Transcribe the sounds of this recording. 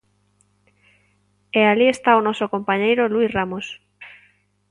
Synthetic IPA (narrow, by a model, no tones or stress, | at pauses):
ealiest̪aonosokompaɲejɾoluisramos